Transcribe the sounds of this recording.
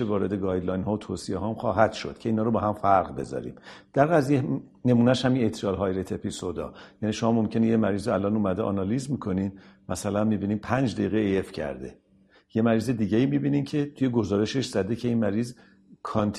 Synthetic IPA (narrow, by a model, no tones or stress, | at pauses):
evɒːɾe̞d̪eɡɒːjd̪lɒjnɦɒːvot̪ʰoːsiḛɦɒːmxɒːɦæd̪̥ʃo̞̰d̪̥cʰeiːnhɒːɾobɒːɦæmfæɾʁbe̞̰zɒ̰ːɾḭːmd̪̥æɾɣæzije | ne̞muːnæʃhæminet̪ʰɾɒːlɦɒːjɾet̪ʰe̞pʰisod̪ɒ̰jæniːʃo̞mɒːmomcʰe̞nejemæɾiːziælɒːnuːmæd̪eʔɒnɒliːzmikʰo̞ninmæsælænmiːbiːniːmpʰænd͡ʒd̪æjiːɣeejefcʰæ̰ɾd̪e̞̰ | je̞mæɾiːze̞d̪iːɟeiːmibiːnimcʰet̪ʰuːje̞ɡo̞zɒːɾe̞ʃe̞ʃzæd̪e̞cʰe̞inmæɾiːz | kʰɒnt̪ʰ